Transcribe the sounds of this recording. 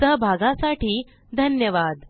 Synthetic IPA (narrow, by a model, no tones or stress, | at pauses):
əɦbʱaɡãsaʈiː | d̪ʱənjəʋad̪